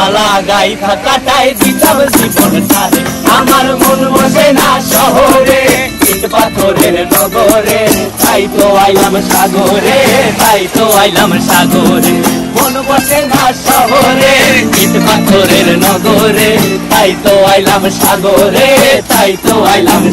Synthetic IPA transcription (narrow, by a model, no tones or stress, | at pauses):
alaɡait̪ʰakaʈajd̪it͡ʃabd͡ʒibɔnt̪ʰaɾeamaɾmonbɔsenaʃɔɦoɾekiʈ̪pat̪ʰoɾeɾnɔɡɔɾet̪ait̪oajlamʃaɡoɾet̪ait̪oajlamʃaɡoɾebonbɔsenaʃɔɦoɾeitpat̪ʰoɾeɾnɔɡoɾet̪ait̪oajlamʃaɡoɾet̪ait̪oajlam